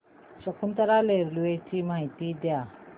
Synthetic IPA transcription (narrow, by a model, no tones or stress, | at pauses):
ɕəkʰunt̪əɾaleɾluet͡ɕimaɦit̪id̪ja